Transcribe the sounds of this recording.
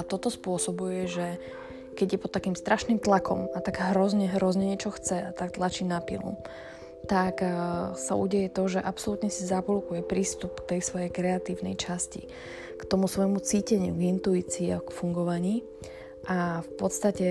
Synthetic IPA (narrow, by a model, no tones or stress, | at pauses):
at̪ɔt̪ɔspʊɔsɔbujɛʒɛ | kɛɟjɛpɔt̪ːakiːmst̪ɾʔaʃnimt̪lakɔ̰mat̪aɡɦɾɔzɲɛɦɾɔzɲɛɲɛt͡ʃɔxt͡sɛat̪akt̪lat͡ʃiːnapḭlṵ | t̪aksaṵɟɛjɛt̪ɔʒɛʔapsɔlut̪ɲɛsizapɔlukujɛpɾiːst̪up̚kt̪ɛjsʋɔjɛjkɾɛat̪iːʊnɛ̰jt͡ʃascḭ | kt̪ɔmusʋɔjmut͡siːcɛɲɪuɡint̪uiːt͡siːakfuŋɡɔʋaɲiː | ʔafpɔt̪st̪acɛ